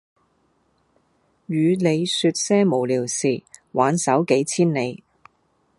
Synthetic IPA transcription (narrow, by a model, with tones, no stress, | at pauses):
jyː˨˧ne˨˧jsyː˧t̚sɛː˥mo˨˩wliː˨˩wsiː˨waː˨˧nsɐ˨˥wke˨˥jt͡sʰiː˥nne˨˧j